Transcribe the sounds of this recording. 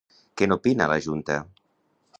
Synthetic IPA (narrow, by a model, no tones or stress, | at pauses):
kenopinalaʒunt̪ɐ